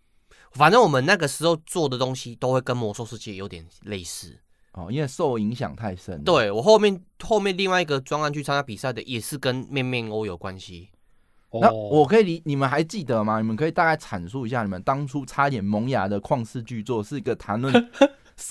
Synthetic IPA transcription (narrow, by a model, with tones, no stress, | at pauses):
fa˨˩nt͡sə˥˩wɔ˨˩mə˨na˥˩ɡə˩ʂɻ̩˧˥xo˥˧ʊt͡swɔ˥˨d̪ə˩t̪o˦˥ŋɕi˦t̪o˥ʊxwe˥˩ɪkə˦nmɔ˨˥sɔ˥˧ʂɻ̩˥˧t͡ɕʰijjo˧˥ʊt̪jɛ˨˩nle˥˧ɪsɹ̩˥˩ | ʔɔ˥˨˩i˦nwe˥˧ɪso˥˩ʊi˧˦ŋɕjɑ̰˨˩ŋt̪ʰa˥˩ɪʂə̰˦nt̪we˥˩ɪwɔ˨˩xo˥˧ʊmjɛ˥˨nxo˥˧mjɛ˥˧nli˥˧ŋwa˥˧ɪi˧ɡə˨˩t͡swa˥ŋa˥˧nt͡ɕʰy˥˩t͡sʰa˥na˥pi˨˩sa˥˩ɪd̪ə˨ʔjɛ˨˩ʂɻ̩˥˧kə˦nmjɛ˥˧nmjɛ˥˧no˧˦ʊjo˨˩ʊkwa˦nɕi˦ | na˥˨wɔ˨˩kʰɤ˧˦i˨li˨˦ni˨˩mə˨nxa˧˥ɪt͡ɕi˥˩d̪ə˨ma˨ni˨˩mə˨nkʰi˨t̪a˥˧ka˥˩ɪt͡sʰa˨˩nsu˥˧˨i˧˥ɕja˥˩ni˨˩ə˨˦nt̪ɑ˥ŋt͡sʰu˦˥t͡sʰa˥˦t̪jɛ˨˩nmɔ˧˦ŋja˧˥d̪ə˨kʰwɑ˥˧ŋsɹ̩˥˧t͡ɕy˥˧t͡swɔ˥˨ʂɻ̩˥˩i˧˦ɡə˨t̪ʰa˧˦nlwə˥˨nn